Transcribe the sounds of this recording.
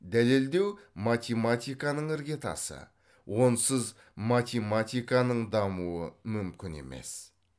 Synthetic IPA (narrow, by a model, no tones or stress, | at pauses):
d̪æle̞ld̪e̞wmat̪ʲemat̪ʲijkɑnəɴɪɾɡʲe̞t̪ɑ̰sə̰ | wo̞nsəz | mat̪ʲemat̪ijkɑnəɴd̪ɑmuəmʏmkʲɪne̞̰me̞̰s